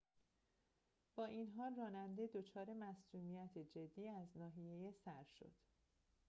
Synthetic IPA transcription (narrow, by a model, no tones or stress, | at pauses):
b̥ɒːʔinɦɒːlrɒːnænd̪e̞d̪o̞t͡ʃʰɒːɾe̞mæsd̪uːmijæt̪ʰed͡ʒe̞d̪ːiːæznɒːɦije̞jesæɾʃo̞̰d̪̥